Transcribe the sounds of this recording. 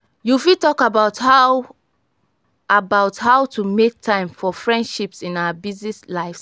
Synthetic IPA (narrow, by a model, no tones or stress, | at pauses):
jufitɔkabaʊtha | ʔabaʊthaʊtʰumek̚tʰãɪ̃mfɔfɹɛ̃ndʃipsĩnaabiznislaɪfs